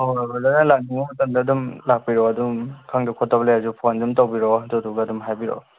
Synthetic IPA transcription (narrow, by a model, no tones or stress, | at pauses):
ɔbɔlanalak̚niŋmamɐtandadumlak̚piɾɔɐdumkʰaŋdakʰɔtːableazupʰɔndumtawbiɾɔdɔduɡadumɦajbiɾɔ̰